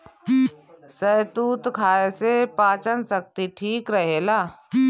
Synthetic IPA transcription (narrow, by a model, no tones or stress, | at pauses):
sət̪uːt̪kʰaːesepaːt͡ʃənsək̚t̪iʈʰiːkɾəɦelaː